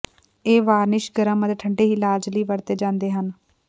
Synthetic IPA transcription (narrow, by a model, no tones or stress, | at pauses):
eːʋaːɾnɪʃɡəɾãːməd̪ʈʰəɳɖeːɦiːlaːd͡ʒliːʋəɾt̪eːd͡ʒãːnd̪eːɦən